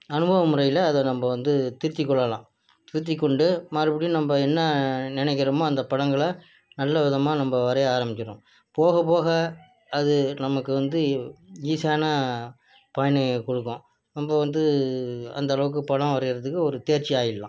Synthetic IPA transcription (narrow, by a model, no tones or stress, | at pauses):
ɐnɯbɐʋɐmɯɾɐjɪlɐːðɛnɐmbɐʋɐnd̪ɯt̪ɪɾɯt̪ːɪkːɔɭːɐlã̰ː | t̪ɪɾɯt̪̬ːɪkːɔɳɖɯmɐɾɯpɐɽinɐmbɐɛnːɐnɪnɛɪk̬ːɪɾɐmoːɐnd̪ɐpɐɽɐŋɡɐɭɐ | nɐlːɐʋɪðɐmaːnɐmbɐʋɐɾɐaːɾɐmɪt͡ʃːɪɾõ | poːɣɐp̬oːɣɐː | ðɯnɐmɐkːɯʋɐnd̪ɯiːsɐjaːnɐ | pɐjɐnɐkɔɽɯkːõː | nɐmbɐʋɐnd̪ɯɐ̰nd̪ɐlɐʋɯk̬ːɯpɐɽɐ̃ʋɐɾɪɣɪɾɐðɯkːɯɔɾɯt̪eːɾt͡ʃiaːjɪlːã̰ː